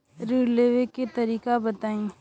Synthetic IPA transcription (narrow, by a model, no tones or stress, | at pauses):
ɾiːɽleːʋeket̪ɐɾiːkabɐt̪aːĩ